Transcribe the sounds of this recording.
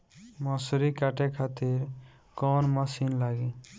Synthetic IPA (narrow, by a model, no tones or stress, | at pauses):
mʌsuɾikaʈekʰat̪iɾ | kɔnmʌsinlaɡĩ